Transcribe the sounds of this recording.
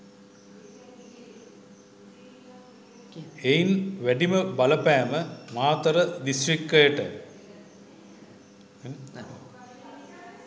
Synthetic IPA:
ejnʋæɖiməbɐləpæːməmaːt̪əɾəd̪isʈrikːəjəʈə

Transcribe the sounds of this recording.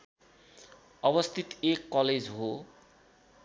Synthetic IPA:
ʌbʌst̪ʰit̪ekːʌled͡zɦo

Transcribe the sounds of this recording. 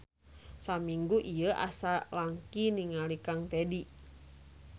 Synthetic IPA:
samiŋɡuʔijəʔa̰salaŋkiniŋalikaŋt̪ɛdi

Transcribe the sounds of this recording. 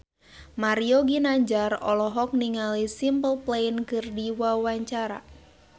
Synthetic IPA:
maɾiɔɡinaɲd͡ʒarɔlɔɦɔk̚niŋalisimpəlpleinkɨrdiwawaɲt͡ʃaɾa̰

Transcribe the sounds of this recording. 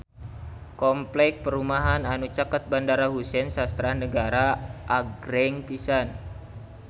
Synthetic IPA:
kɔmplɛk̚pəɾumaɦananut͡ʃakət̪̚bandaɾaɦusɛnsast̪ɾanəɡaɾaʔaɡɾɛŋpisan

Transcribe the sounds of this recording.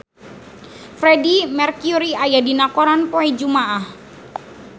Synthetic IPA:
fɾɛdimɛrkjuɾiajadinakoɾanpoid͡ʒumaʔah

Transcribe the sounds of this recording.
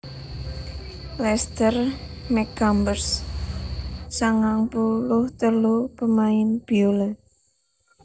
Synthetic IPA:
lɛst̪ərmɛkambərs | saŋaŋpulʊht̪əlupəmaɪnb̥iolə

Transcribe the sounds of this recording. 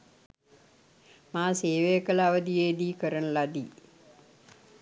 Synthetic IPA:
maːseːʋejkələaʋəd̪ijeːd̪iːkəɾənəlad̪ḭ

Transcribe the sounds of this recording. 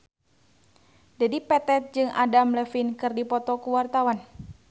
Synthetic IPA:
d͡ʒadipɛt̪ɛt̪̚d͡ʒɨŋʔa̰damlɛfinkɨrdipɔt̪ɔkuwart̪awan

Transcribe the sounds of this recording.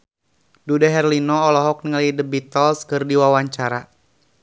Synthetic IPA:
dudaɦɛrlinɔːlɔɦɔk̚niŋalidəbit̪ɔlskɨrdiwawaɲt͡ʃaɾa

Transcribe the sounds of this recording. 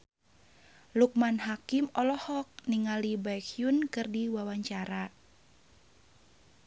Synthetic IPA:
luk̚manɦakimɔlɔhɔk̚niŋalibajkjunkɨrdiwawaɲt͡ʃaɾa

